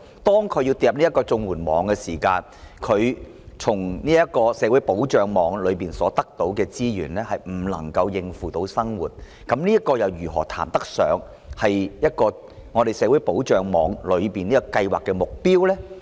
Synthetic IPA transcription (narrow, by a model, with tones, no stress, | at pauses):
t̪ɔː˥ŋkʰɵ˨˧ɥji˧wt̪iː˧jɐ˨p̚niː˥kːɔː˧t͡sʊ˧ŋwuː˨˩nmɔ̰ː˨˥ŋkɛ˧siː˨˩kaː˧n | kʰɵ˨˧ɥ | t͡sʰʊ˨˩ŋniː˥jɐ˥t̚kɔː˧sɛː˨˧˥wu˨˥jpo˨˥wt͡ʃœː˨˩ŋmɔː˨˧˥ŋlɵ˨˧ɥpiː˨nsɔː˨˥t̪ɐ˥k̚t̪o˨˥wkɛː˧t͡siː˥jyː˨˩nlɛː˥hɐ˨jm̩˨˩lɐ̰˨˩ŋkɐ˧wjɪ˧ŋfuː˨˩t̪o˨˥wsɐ˥ŋwuː˨˩t̚ | kɐ˨˥mniː˥ɐ˥t̚kɔː˧jɐ˨˧wjyː˨˩ɦɔː˨˩t̪ʰa̰ː˨˩mt̪ɐ˥k̚sœ̰ː˨˧ŋ | hɐ˨jjɐ˥t̚kɔː˧ | ŋɔː˨˧t̪e˨jsɛː˨˧˥wu˨˥jpo˨˥wt͡ʃœː˨ŋmɔː˨˧ŋlɵ˨˧ɥpiː˨niː˥kɔ˧kɐ˧jwaː˨˩kːɛː˧mʊ˨k̚piː˥wlɛː˥